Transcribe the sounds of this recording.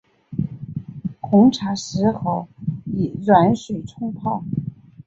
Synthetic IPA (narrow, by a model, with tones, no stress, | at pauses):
kʰʊ˧˥ŋʈ͡ʂʰa˧˥ʂɻ̩˧˥xo˧˩ʊi˨˩ɻwa˧˥nʂwe˨˩ɪʈ͡ʂʰʊ˥ŋpʰɑ˥˩ʊ